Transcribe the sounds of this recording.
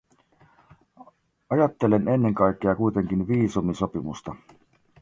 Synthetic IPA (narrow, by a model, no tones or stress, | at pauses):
ɑjɑt̪ːe̞lene̞nːe̞ŋkɑjkːeɑkuijt̪e̞ŋk̟inʋiːsumiso̞pimṵst̪ɑ